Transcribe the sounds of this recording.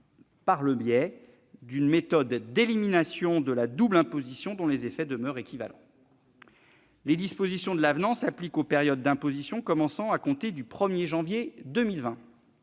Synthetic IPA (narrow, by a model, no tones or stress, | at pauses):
paʁləbjɛ | d̪ynmet̪ɔd̪ːeliminasjɔ̃d̪əlad̪ublɛ̃pozisjɔ̃d̪ɔ̃lezefɛd̪əmœʁekʲiva̰lɑ̰̃ | led̪ispozisjɔ̃d̪əlavnɑ̃saplikopeʁjɔd̪ːɛ̃pozisjɔ̃kɔmɑ̃sɑ̃akɔ̃t̪ed̪ypχəmjeʒɑ̃vjed̪əmilvɛ̃